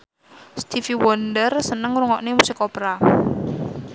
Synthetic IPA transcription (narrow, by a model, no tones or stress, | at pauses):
st̪ifiwɔndərsənəŋɾuŋɔʔnemusɪkɔpɾa